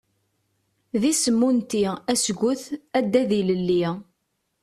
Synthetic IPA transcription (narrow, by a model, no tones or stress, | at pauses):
ðisəmːunt̪iæsɡʷʊθæd̪ːæðiləlːi